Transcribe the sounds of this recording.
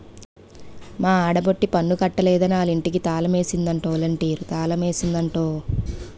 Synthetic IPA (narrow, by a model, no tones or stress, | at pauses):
maːaːɽɐboʈːipɐɳːukɐʈːɐlɛːd̪ɐniaːliɳʈikit̪aːlɐme̞ːsind̪ɐɳʈoːlɐɳʈiːɾut̪aːlɐme̞ːsind̪ɐɳʈoː